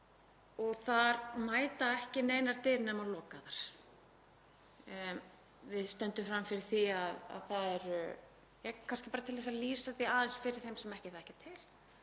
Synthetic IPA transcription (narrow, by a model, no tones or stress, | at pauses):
ɔɣθaɾmaːjt̪aɛhcɪneːjnaɾ̥t̪ɪlnɛmalɔːkaðaɾ̥ | vɪðst̪œnt̪ʏmfɾamːfɪɾɪɾ̥θiaða̰ðθaðɛɾ | jɛkʰanscɪpaɾat̪ʰɪlvɛs̬aliːsaθiaːðɛnsfɪɾɪɾ̥θejmsɛmɛhcɪθaðɛhcɪt̪ʰɪl̥